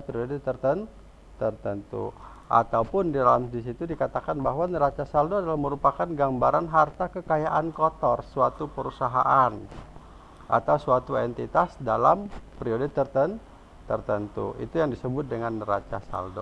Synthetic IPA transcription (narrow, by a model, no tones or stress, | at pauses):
pɾiodit̪ərt̪ən | t̪ərt̪ənt̪ṵ | ʔa̰t̪awpʊndidalamdis̬it̪udikat̪akanbaɦwanəɾat͡ʃasaldoadalahməɾupakanɡambaɾanɦart̪akəkajaʔankɔt̪ɔrsuat̪upəɾusaɦa̰ʔan | ʔa̰t̪awsuat̪uɛnt̪it̪asdalampɾiodit̪ərt̪ən | t̪ərt̪ənt̪ṵḭt̪ujaŋdisəbʊt̪̚dəŋanra̰t͡ʃa̰sa̰ldo̰